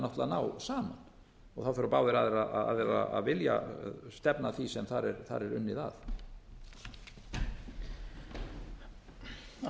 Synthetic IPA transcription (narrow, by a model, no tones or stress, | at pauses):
nɔht̪laðnaːwsaːman | ɔɣθawfɛɾɔpawðɪɾaðɛɾaðaa̰ðɛɾa̰a̰ðvɪlja̰st̪ɛpnaθisɛmθaɾɛɾθa̰ɾɛɾʏ̰nːɪða̰ð